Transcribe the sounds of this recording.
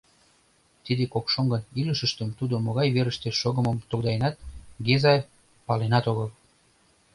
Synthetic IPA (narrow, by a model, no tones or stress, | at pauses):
t̪id̪ekokʃoŋɡəniləʃəʃt̪əmt̪ud̪omoɣɑjβeɾəʃt̪eʃoɣəməmt̪okd̪ɑjenɑt̪̚ɡezɑj | pɑlenɑt̪oɣəl